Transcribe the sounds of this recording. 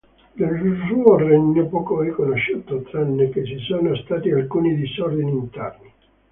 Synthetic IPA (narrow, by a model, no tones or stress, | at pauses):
nelsuorɛɲːɛpɔːkoɾikonoʃːuːt̪ot̪ɾanːekesisoːnost̪aːt̪ialkuːnid̪isɔrd̪iniːnt̪ɛrni